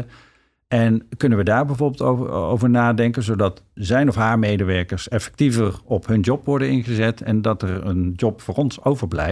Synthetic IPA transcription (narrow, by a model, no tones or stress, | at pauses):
ʔɛnkɵnənʋədaːɹbɛjvoːɹbɪlˠtoo̰wvəɹnaːdɛŋkənzowdɑtzɛjnɔfɦaːɹmejdəʋɛɹkəɹsɛfɛ̥k̚tivərɔpɦɵnd͡ʒɔpʋɔɹdənɪnχəzɛtʰɛ̰ndɑtɛɹənd͡ʒɔpfʊːɹɔnsowvəɹblɛ̰